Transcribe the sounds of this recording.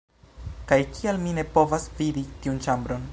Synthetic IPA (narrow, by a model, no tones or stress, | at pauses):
kajkialmine̞po̞vasviditiunt͡ʃambɾo̞n